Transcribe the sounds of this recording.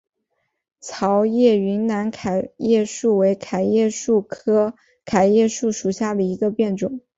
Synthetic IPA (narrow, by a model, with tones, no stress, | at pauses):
t͡sʰɑ˧˥ʊjɛ˥˩y˧˥nna˧˥nkʰa˨˩ɪjɛ˥˧ʂu˥˩we˧˥ɪkʰa˨˩ɪjɛ˥˧ʂu˥˩kʰɤ˥ | kʰa˨˩ɪjɛ˥˧ʂu˥˩ʂu˨˩ɕja˥˩d̪ə˩i˧˥ɡə˧pjɛ˥˩nʈ͡ʂʊ˨˩˦ŋ